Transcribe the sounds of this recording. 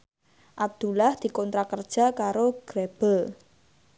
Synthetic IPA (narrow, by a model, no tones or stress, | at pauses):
ʔab̚d̪̥ulahd̪̥i̤kɔnt̪ɾakərd̥ʒ̥a̤kaɾoɡ̥ɾeb̥əl